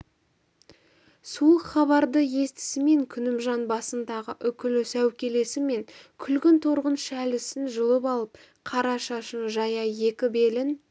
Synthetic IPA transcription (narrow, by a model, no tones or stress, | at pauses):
suəqχɑbɑɾd̪əje̞st̪ɪ̥sɪme̞ŋkʲʰʏnɪmʒɑnbɑsənd̪ɑʁəʔʏkʲɪlɪsæwkʲe̞le̞sɪme̞ŋkʲʰʏlɡʲɪnt̪ʰoɾʁənʃælɪsɪnʒəlˠəpɑlˠəp̚ | qʰɑɾɑʃɑʃənʒɑjɑje̞kʲɪbe̞lɪn